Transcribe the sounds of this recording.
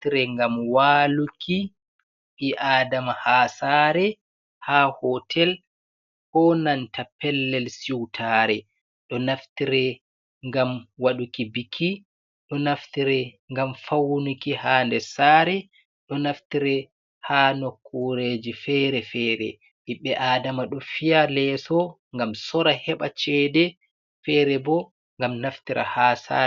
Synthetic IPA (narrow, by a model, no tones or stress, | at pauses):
tiɾɛŋɡamwaːlukʰi | ʔiʔaːdamahaːsaɾɛ | hahɔtʰɛl | hɔnantapɛlːɛlsiwtʰaɾɛ | ɗɔnaftiɾɛ | ŋɡamwaɗukibikʰːi | ɗɔnaftiɾɛ | ŋɡamfawunukihaːndɛsaːɾɛ | ɗɔnaftiɾɛ | haːnokʰːuɾed͡ʒifɛːɾɛfɛːɾɛ̰ | ʔiɓɛʔaːdamaɗɔfijalɛːsɔ | ŋɡamsɔɾahɛɓat͡ʃɛːdɛ | fɛːɾɛbɔ | ŋɡamnaftiɾa̰hasa̰